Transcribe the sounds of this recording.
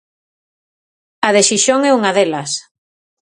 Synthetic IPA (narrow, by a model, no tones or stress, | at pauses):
ɐðeʃiʃoŋɛuŋaðelɐs